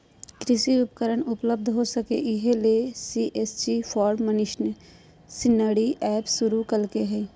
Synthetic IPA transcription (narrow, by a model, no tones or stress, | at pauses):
kɾɪʃiɾupəkəɾəɳʊpləb̚d̪ʱɦosəkḛʔɪɦelesiʔeːst͡ʃipʰɔːɾmənɪʃn | sɪnəːɽiʔɛːpsʊɾukəlkeɦɛ